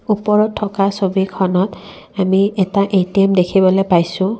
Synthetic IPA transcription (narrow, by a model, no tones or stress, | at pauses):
upɔɹɔtʰːɔkasobikʰɔnɔt | amiɛtaʔejtimdekʰibɔlojpajsʊ̃